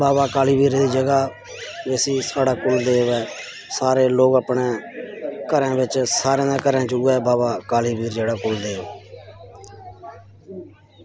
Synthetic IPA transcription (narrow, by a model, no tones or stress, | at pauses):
baːbaːkaːliːbiːɾd̪iːd͡ʒəɡaː | d͡ʒesiːsaːɽaːkʊld̪eːʋɛː | saːɾeːloːɡəpɳeː | kəɾãːbɪt͡ʃsaːɾẽːnãːkəɾɛ̃ːt͡ʃʊɛːbaːbaːkaːliːbiːɾd͡ʒeːɽaːkʊːld̪eː